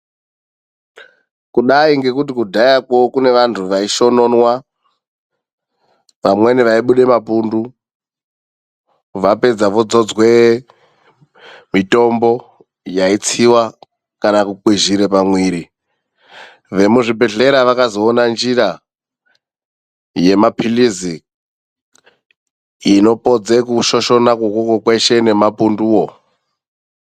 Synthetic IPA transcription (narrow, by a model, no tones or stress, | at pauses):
kuɗaiŋɡe̞kutikudʱajakokune̞ʋantʰuʋaiʃo̞no̞nwa | ʋamwe̞niʋaiɓuɗe̞mapundu | ʋape̞d͡zaʋo̞d͡zo̞d͡zwe | mito̞mbo̞ | jait͡siwa | kanakukwiʒiɾepamwiːɾi | ʋe̞muʐibʱe̞ɮe̞ɾaʋakazoːnand͡ʒiɾa | je̞mapʰilizi | no̞pod͡zekuʃoʃo̞nakokokokweʃe̞ne̞mapunduːwo